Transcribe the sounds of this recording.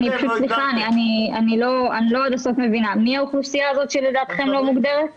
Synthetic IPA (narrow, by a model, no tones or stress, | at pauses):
nipaʃut̪sliχaanianianilo̞aniloadaso̞fme̞vinamiauχufsijaːzo̞t̪ʃeled̪aːt̪χe̞mlo̞muɡd̪eʁet